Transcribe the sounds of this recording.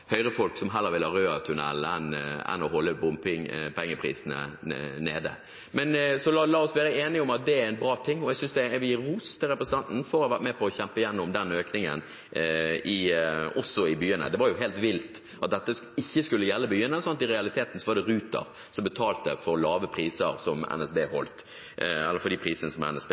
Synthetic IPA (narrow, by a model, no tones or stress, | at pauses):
hœʏɾəfɔlksɔmɦɛlːəɾʋɪləhɑɾøːɑt̪ʰʉnɛ̰lɛ̰nɛ̰nɔɦɔlːəbʊmpɪŋpɛŋːəpʰɾḭːsənə̰neːd̪ə̰ | mɛnsɔlɑlɑːɔsʋæːɾəeːnɪɔmɑt̪̚d̪ɛæɾɪnbɾɑːt̪ʰɪŋːɔɛɡsʏnsd̪ɛʋɪjɪɾuːst̪ʰːɪlɾʁɛpɾəsən̩t̪ɑnt̪n̩fɔɾɔhɑʋæʁt̪mɛpʰɔːçɛmpəɪjɛnːʊmd̪ɛnøːknɪŋə̰n | ɪɔsːɔɪbyːənə̰d̪ɛʋɑɾjʊɦeːlt̪ʋɪlt̪ | ɑt̪̚d̪ɛt̪ːəɪçːəskʉlːəjɛlːəbyːənəsɑnt̪ɪɾɛɑlɪt̪ʰeːt̪n̩sɔʋɑɾd̪ɛɾʉːt̪ə̰ɾ | sɔmbət̪ʰɑːlt̪ə̰fɔɾlɑːʋəpʰɾiːsə̰ɾsɔmɛ̰nɛsbḛːhɔ̰lt̪ | ɛlːəɾfɔd̪ɪpʰɾiːsənəsɔmɛ̰nɛsbe